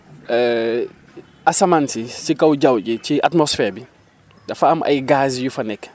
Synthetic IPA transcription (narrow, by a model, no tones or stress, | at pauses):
ɛ | ʔɐsɐmansisikɐwɟɐwɟiciʔatmɔsfɛːɾbi | dɐfɐɐmʔɐ̰jɡaːsjufɐnɛkː